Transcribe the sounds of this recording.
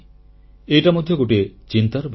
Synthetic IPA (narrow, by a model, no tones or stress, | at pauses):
eʈamod̪ʱjɔɡoʈet͡ʃint̪aɾɔbʱ